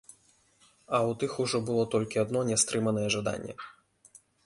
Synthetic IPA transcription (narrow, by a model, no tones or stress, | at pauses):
ɐwt̪ɨxuʐɔbɨlˠɔt̪ɔlʲkʲiad̪nɔnʲɛst̪ɾɨmɐnɐjɛʐad̪a̰nʲːɛ̰